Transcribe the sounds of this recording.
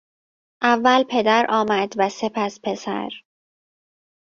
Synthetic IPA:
ʔævːælpʰe̞d̪æɾʔɒːmæd̪væse̞pʰæspʰe̞sæ̰ɾ

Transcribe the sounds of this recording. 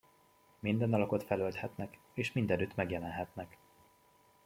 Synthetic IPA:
mind̪ɛnɒlɒko̞t̪fɛlølt̪hɛt̪nɛk | eːʃmind̪ɛnyt̪ːmɛɡjɛlɛnɦɛt̪nɛk

